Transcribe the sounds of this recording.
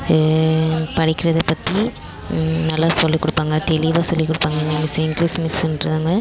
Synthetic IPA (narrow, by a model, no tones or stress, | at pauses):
pɐɽɪkːɪɾɐðɛpːɐt̪ːi | nɐlːaːsɔlːikːʊɽɯpːaːŋɡɐɖɛlɪʋaːsɔlːikːʊɽɯpːaːŋɡɐɪŋɡɐmɪsɪŋɡɾiːsmɪsnɾɯðaːŋɡɐ